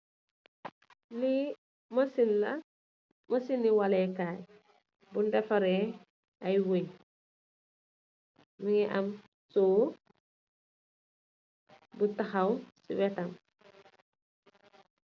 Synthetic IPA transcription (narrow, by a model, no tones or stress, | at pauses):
ni | masinla̰ | mɐsinːiwalekaːj | bundefaɾe | ajwej | miŋɛʔam | soː | butaxawsiwetam